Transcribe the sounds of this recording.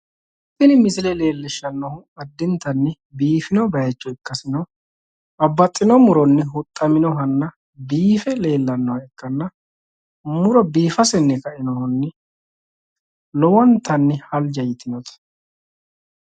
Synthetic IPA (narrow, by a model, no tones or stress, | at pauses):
t̪ːɪnɪmɪsɪlɛle̞ːlːɪʃːɐnːɔhʊɐd̪ːɪnt̪ɐnːɪ | biːfɪnɔbɐjɐt͡ʃʼːɔɪkːɐsɪnɐ | ɐbːɐt̪ʼːɪnɔmʊɾɔnːɪɦʊt̪ʼːɐmɪnɔɦɐnːɐ | biːfɛle̞ːlːɐnːɔwɐɛkːɐnːɐ | mʊɾɔbiːfɐsɛnːɛkɐʔɪnɔhʊnːɪ | lɔwɔnt̪ɐnːɪhɐld͡ʒɐjɪt̪ɪnɔt̪ɐ̥